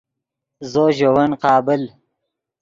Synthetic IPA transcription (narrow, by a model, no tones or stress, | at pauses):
zoːʒɐwɐnqɑːbɪl